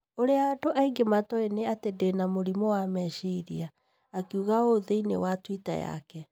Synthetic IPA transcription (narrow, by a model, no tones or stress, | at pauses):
oɾeaːdoʔaiɡematɔeneatedenamoɾimɔwamɛʃeiɾiaː | kiuɣaoðeinḛwatwita̰ja̰kɛ